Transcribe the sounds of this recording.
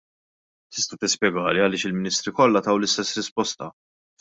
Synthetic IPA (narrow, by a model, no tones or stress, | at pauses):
t̪ɪ̥st̪ɐt̪ɪspjɛɡɐːliɐlɪːʃɪlmɪnɪːst̪ɾikɔlːɐt̪ɐwlɪst̪ɛsːɾɪspɔst̪ɐ